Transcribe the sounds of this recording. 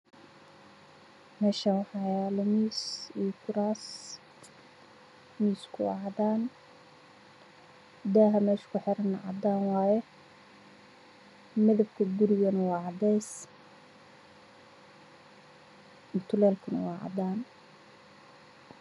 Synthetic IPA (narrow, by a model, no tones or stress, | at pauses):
mɛːʃɐwħɑːjaːlʊmiːsiːkʰʊɾaːs | miːskʰʊwɑ̰ʕɑd̪aːn | d̪aːɦɐmɛːʃkʰʊħɛɾɐnːɐʕɑ̰d̪aːnwɑːjɛ | mɐðɐbkʰɐɡʊɾɪɣɐnɐwɑːʕɑd̪ɛjs | t̪ʰʊlɛːlkʰʊnɐ̰wɑːʕɑ̰d̪aːn